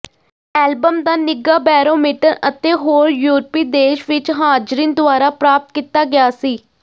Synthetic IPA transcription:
ɛːlbəmd̪aːnɪɡaːbɛːɾoːmiːʈəɾət̪eːɦoːɾjuːɾpiːd̪eːʃʋɪt͡ʃɦaːd͡ʒɾiːnd̪ʊaːɾaːpɾaːp̚t̪̚kiːt̪aːɡɪjaːsiː

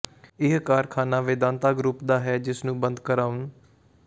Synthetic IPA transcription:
ɪɦkaːɾkʰaːnaːʋɪd̪ãːnt̪aːɡɾuːpd̪aːɦɛːd͡ʒɪsnũːbənd̪kəɾaːʊn

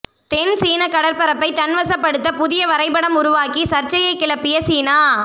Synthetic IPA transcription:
t̪ɛnsiːnɐkɐɽɐɾpɐɾɐpːɐɪt̪ɐnʋɐsɐpːɐɽɯt̪ːɐpʊðɪjɐʋɐɾɐɪpːɐɽɐmʊɾʊʋaːkisɐɾt͡ʃɐjɐɪkːɪɭɐpːɪjɐsiːnaː

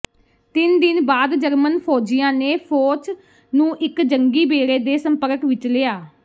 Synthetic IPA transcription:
t̪ɪnd̪ɪnbaːd̪d͡ʒəɾmənpʰoːd͡ʒɪjãːneːpʰoːt͡ʃ | nũːʔɪkd͡ʒəŋɡiːbeːɾeːd̪eːsəmpəɾkʋɪt͡ʃleːaː

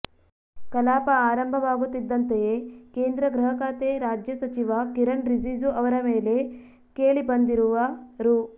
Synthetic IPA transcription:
kɐlaːpɐaːɾɐmbʱɐʋaːɡut̪ːid̪ːɐnt̪ejekeːnd̪ɾɐɡɾɐɦɐkaːt̪eːɾaːd͡ʒjɐsɐt͡ʃiʋɐkiɾɐɳɾid͡ʒiːzuɐʋɐɾɐmeːle̞ | keːɭibɐnd̪iɾuʋɐɾu

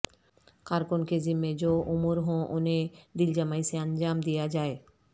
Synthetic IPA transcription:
kaɾkonked͡ʑimːed͡ʑoʔumuɾɦõʔoned̪ild͡ʑəmaiseənd͡ʑaːmd̪ijad͡ʑaːe

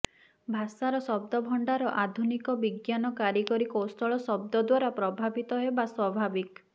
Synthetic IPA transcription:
bʱasaɾɔsɔb̚d̪ɔbʱɔɳɖaɾɔʔad̪ʱunikɔbiɡjanɔkaɾikɔɾikostɔɭɔsɔb̚d̪ɔd̪waɾapɾɔbʱabit̪ɔɦebaswɔbʱabik

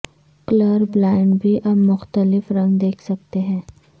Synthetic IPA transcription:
kləɾblaːɪɳɖbʱiʔɐbmʊxt̪əlɪfɾɐ̃ŋɡd̪eːkʰsɐk̚t̪eɦɛ̃ː

